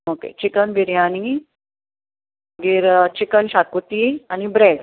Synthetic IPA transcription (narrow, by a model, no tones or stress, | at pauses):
okḛt͡ɕikənbiɾjani | ɡiːɾt͡ɕikənɕakut̪ianibɾeɽ